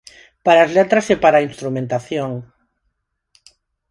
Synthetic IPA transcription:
paɾaːzlɛt̪ɾasepaɾainst̪ɾumẽnt̪aθjoŋ

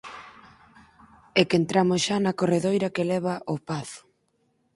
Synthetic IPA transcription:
ɛkent̪ɾamʊsʃanɐkoreðojɾɐkelɛβ̞aʔopaθʊ̥

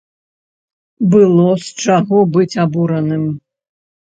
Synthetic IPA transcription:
bɨlˠɔst͡ʂaɣɔbɨt͡sʲabuɾɐnɨm

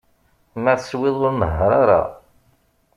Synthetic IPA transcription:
məswɪðˤoɾməɦaɾaɾa̰

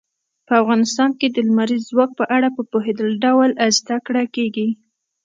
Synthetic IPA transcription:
pəafɣɑnɪst̪ɑnked̪əlmaɾizːwɑk̚pəʔaɽapəpoɦed̪əlɖawlazd̪akɽakeɡi

